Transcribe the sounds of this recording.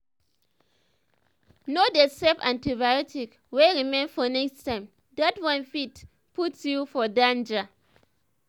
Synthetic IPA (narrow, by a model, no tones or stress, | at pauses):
nodesɛfãntibajɔtik | weɹimẽnfɔnɛkstãɪ̃m | datwãnfit | putjufɔdãnd͡ʒa